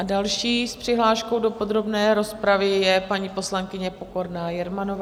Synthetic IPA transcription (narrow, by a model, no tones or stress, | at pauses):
adalʃiːspr̥ɪɦlaːʃko̞wdo̞po̞d̪ɾo̞bnɛːɾo̞spɾavɪjɛpaɲiːpo̞slaŋkɪɲɛpo̞ko̞ɾnaːjɛɾmanovaː